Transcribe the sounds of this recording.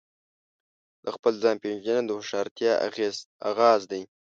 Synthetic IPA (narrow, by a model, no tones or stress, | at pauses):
d̪əxpəlzɑːnpend͡ʒənad̪əhʊʂɑɾt̪jɑa̰ɣeza̰ɣɑːzd̪aj